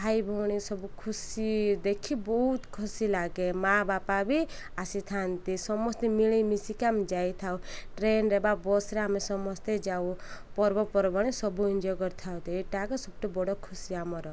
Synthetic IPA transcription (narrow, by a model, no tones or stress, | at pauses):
bʱajbʱɔɽ̃isɔbukʰusid̪ekʰibɔɦut̪kʰusilaɡemabapabi | asit̪ʰant̪isɔmːɔst̪emiɭimisikamd͡ʒajt̪ʰawʈɾenɾebabɔsɾeamesɔmɔst̪ed͡ʒawupɔɾbɔpɔɾbɔɽ̃isɔbuind͡ʒɔɡɔɾt̪ʰawt̪eeʈakɔsɔb̚ʈobɔɽɔkʰusiamɔɾɔ